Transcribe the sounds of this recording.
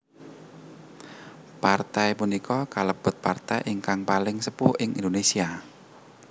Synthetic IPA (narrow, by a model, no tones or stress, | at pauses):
part̪ajpunikʰɔkaləb̥ʊt̪̚part̪ajʔɪŋkaŋpalɪŋsəpʊhʔɪŋʔḭnd̪onesia